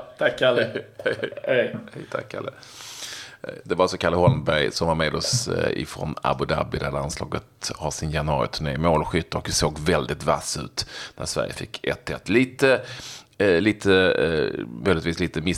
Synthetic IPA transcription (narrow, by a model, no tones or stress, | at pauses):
t̪ʰakːaləhɛhɛhɛjt̪ʰa̰kʰːa̰lə | d̪ɛvaɾasɔkʰaɾləɦɔlmbæɾjsɔmvaɾmeːd̪ɔsɪ̰fɾɔ̰na̰bʊd̪a̰bɪd̪æd̪anslɑ̰ːɡət̪hɑʂɪnjanɵɑ̰ːɾɪ̰t̪ʰʉɳeːmoːlɧʏt̪ːaɔkd̪ɛsoːɡvɛld̪ɪt̪va̰sʉ̟̰ːt̪næ̰ɾʂvæ̰ɾjə̰fɪkːɛ̰t̪ʰːɛt̪ːliːt̪ə | liːt̪ʰə | mœjlɪət̪viːsliːt̪əmɪ